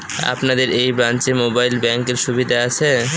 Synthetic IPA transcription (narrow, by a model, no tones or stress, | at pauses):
a̰pnad̪eɾejbɾant͡ɕemobajlbɛŋkeɾʃubid̪ʱaat͡ɕʰe